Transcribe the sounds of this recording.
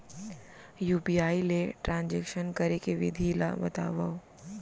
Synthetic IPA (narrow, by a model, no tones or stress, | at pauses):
juːpiaːileʈɾãːnd͡ʒekʃənkɐɾekeʋɪ̰d̪ʱila̰bɐ̰t̪a̰ːʋao